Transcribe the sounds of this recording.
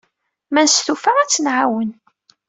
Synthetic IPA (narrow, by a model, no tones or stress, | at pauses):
mænst̪ufaʁæt͡sːənʕawən